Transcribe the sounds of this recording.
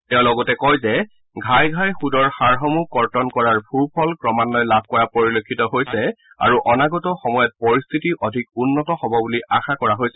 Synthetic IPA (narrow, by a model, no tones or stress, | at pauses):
tɛʊ̃lɔɡɔtɛkɔjzɛ | ɡʱajɡʱajxudɔɹxaɹɦɔmukɔɹtɔnkɔɹaɹpʰupʰɔlkɹɔmanːɔjlab̚ʱkɔɹapoɹilokʰːitɔɦojsɛ | a̰ɹuʔɔnaɡɔtɔxɔmɔjɔt̚pɔɹist̪ʰitiʔɔdʱik̚unːɔtɔxɔbɔbuliʔaxakɔɹaɦojsɛ